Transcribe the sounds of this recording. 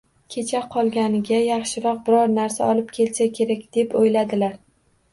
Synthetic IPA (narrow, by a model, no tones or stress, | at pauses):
kʲʰe̞t͡ʃʰaqʰɒlˠɡʲanɪɡʲajɑχʃɪɾɒq̚bɪɾɒɾnaɾsaɒlˠɪp̚kʲʰe̞lsakʲʰe̞ɾakʲd̪̥epojlad̪ɪlaɾ